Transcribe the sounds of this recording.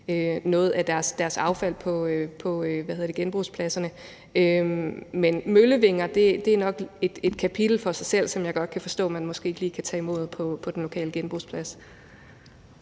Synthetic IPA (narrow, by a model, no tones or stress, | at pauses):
ønɔ̽ːð̩ˠæd̥æɐsd̥æɐsɑ̈ʊfæl̰pʰɒ̽pʰɒ̽øʋæheðˠɐd̥e̝ɡenb̥ʁuːspʰlæsɐnə | ømenmøləʋe̝ŋɐd̥e̝d̥e̝æɐnɒ̽ɡ̥e̝d̥e̝d̥kʰæpʰid̥l̩fɒ̽sɑ̈ɪsel̰sɒ̽mjɑ̈ɪɡ̥ɒ̽d̥̚kʰæfɒ̽sd̥ɔ̰ːmænmɒ̽sɡ̥e̝̰ːliːkʰæt͡sʰɛ̰ːimo̝ð̰ˠpʰɒ̽pʰɒ̽d̥enlo̝kʰɛ̰ːləɡ̥enb̥ʁuːspʰlæs